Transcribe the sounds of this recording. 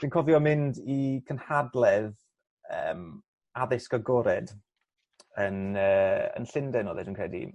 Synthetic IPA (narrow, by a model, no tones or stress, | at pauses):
d̥iːnkʰɔvjɔmɪndikʰənhadlˠɛð | ə̰ːm | aðɪskəɡɔɾɛd | ənəːə̰nɬɪndɛnɔːðɛdiːnkʰr̥ɛdḭ